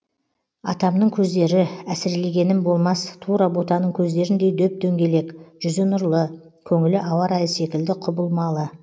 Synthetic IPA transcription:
ɑ̰t̪ɑmnəɴkʲʰɵzd̪e̞ɾɪæsɪɾle̞ɡʲe̞nɪnbo̞lˠmɑst̪ʰuɾɑbo̞t̪ɑnəɴkʲʰɵzd̪e̞ɾɪnd̪e̞jd̪ɵp̚d̪ʰɵŋɡʲe̞le̞kʒ̥ʏzenʊɾlˠə | kʲʰɵŋɪlɪʔɑwɑɾɑjəse̞kʲɪld̪ɪqʰʊbəlˠmɑlˠə

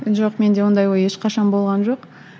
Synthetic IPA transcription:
ʒoqme̞nd̪e̞wo̞nd̪ɑjwojeʃqɑʃɑnbo̞lˠʁɑnʒo̞q

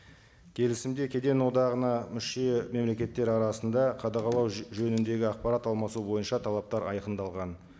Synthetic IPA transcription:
kʲʰe̞lɪsɪmd̪e̞kʲʰe̞d̪e̞nwo̞d̪ɑʁənɑmʏʃe̞me̞mle̞kʲe̞t̪ːe̞ɾɑɾɑsənd̪ɑqʰɑd̪ɑqɑlˠɑwʒɵnɪnd̪e̞ɡʲɪɑqpɑɾat̪ɑlˠmɑsubo̞jənʃɑt̪ʰɑlˠɑp̚t̪ɑɾɑjqənd̪ɑlˠʁɑn

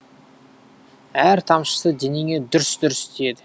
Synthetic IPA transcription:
æɾt̪ʰɑmʃə̥səd̪eneɡʲe̞d̪ʏɾɪsd̪ʏɾɪsɪt̪ʰejed̪ɪ

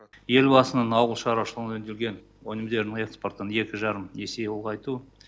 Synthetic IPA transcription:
je̞lbɑsənənɑwəlˠʃɑɾɑʃəlˠʁənɵnd̪elɡʲe̞n | onɪmd̪e̞ɾnɪŋe̞kspo̞ɾt̪əne̞kʲɪʒɑɾəme̞sejolˠʁɑjt̪u

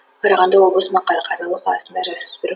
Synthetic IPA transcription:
qʰɑɾɑʁɑnd̪ɑo̞blosunɑqɑɾqʰɑɾɑlˠuqʰɑlˠɑsɨnd̪ɑd͡ʒɑsy̥sbyɾ

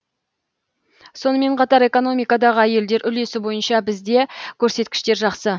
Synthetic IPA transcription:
so̞nəme̞ɴqʰɑt̪ɑɾe̞ko̞no̞mijkɑd̪ɑʁəæje̞ld̪e̞ɾʔʏle̞sɪbo̞jənʃɑbɪzd̪e̞kʲʰɵɾse̞t̪kʲɪ̥ʃt̪e̞ɾʒɑqsə

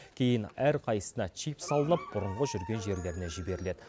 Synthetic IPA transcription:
kʲʰe̞jɪnæɾqʰɑjəsənɑt͡ʃʰijpsɑlˠənəp̚b̥ʊɾəɴʁəʒʏɾɡʲe̞nʒe̞ɾle̞ɾɪne̞ʒɪbe̞ɾɪle̞d̪ɪ

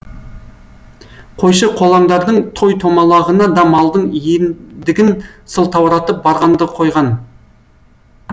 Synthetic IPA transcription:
qʰo̞jʃəqʰo̞lˠɑɴd̪ɑɾd̪əɴt̪ʰojt̪ʰo̞mɑlˠɑʁənɑd̪ɑmɑlˠd̪əɴjend̪ɪɡʲɪnsəlˠt̪ʰɑwɾɑt̪əp̚bɑɾʁɑnd̪əqʰo̞jʁɑn

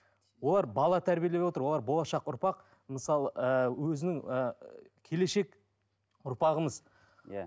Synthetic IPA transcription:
wo̞lˠɑɾbɑlˠɑt̪ʰæɾbʲijelewot̪əɾwoɑɾbo̞lˠɑʃɑqʊɾpɑq | məsɑlˠəəwɵzɪnɪŋəkʲʰe̞le̞ʃe̞k | ʊɾpɑʁəməz

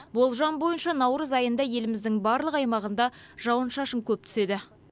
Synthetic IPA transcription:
bo̞lˠʒɑnbo̞jənʃɑnɑwɾəzɑjənd̪ɑje̞lɪmɪzd̪ɪŋbɑɾlˠəqɑjmɑʁənd̪ɑ | ʒ̥ɑwənʃɑʃəŋkʲʰɵp̚t̪ʰʏ̥se̞d̪ɪ

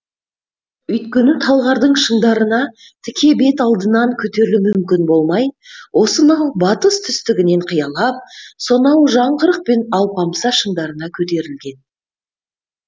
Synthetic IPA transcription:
ʏjt̪kʲe̞nɪt̪ʰɑlˠʁɑɾd̪əɴʃəɴd̪ɑɾənɑ | t̪ʰɪkʲe̞be̞t̪ɑlˠd̪ənɑŋkʲʰɵt̪e̞ɾɪlumʏmkʲɪnbo̞lˠmɑjwʔo̞sənɑwbɑt̪əst̪ʰʏst̪ɪɡʲɪne̞ɴqʰəjɑlˠɑp̚so̞nɑwʒɑɴʁəɾəq̚pe̞nɑwpɑmsɑʃəɴd̪ɑɾənɑkʲʰɵt̪e̞ɾɪlɡʲe̞n

